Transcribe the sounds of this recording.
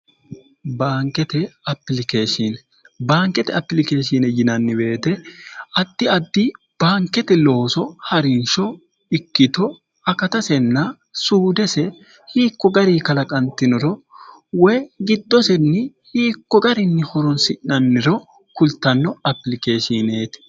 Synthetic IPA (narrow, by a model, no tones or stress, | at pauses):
baːŋkːɛt̪ɛɐpːɪlɪkeːʃinɛ | baːŋkɛt̪ɛɐpːɪlɪkeːʃinɛjɪnɐnːɪbe̞ːt̪ɛɐd̪̥ːɪɐd̪ːi | b̥aːŋkːɛt̪ɛlo̞ːsɔhɐɾɪnʃɔ | ɪkːɪt̪ɔ | ɐkɐt̪ɐsɛnːɐ | suːd̪ɛsɛ | hiːkːɔɡɐɾiːkɐlɐkʼɐnt̪ːɪnɔɾɔ | wɔjɡɪd̪ːɔsɛnːɪ | hiːkːɔɡɐɾɪnːɪhɔɾɔnsɪʔnɐnːɪɾɔ | kʊlt̪ːɐnːɔɐpːɪlɪkeːʃineːt̪